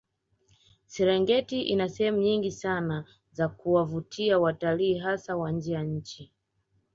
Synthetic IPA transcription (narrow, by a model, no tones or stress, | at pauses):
sɛɾɛŋɡɛtiʔinasɛhɛmuɲiŋɡisana | zakuwavutʰiawataliːɦasawand͡ʒiaɲ̩t͡ʃi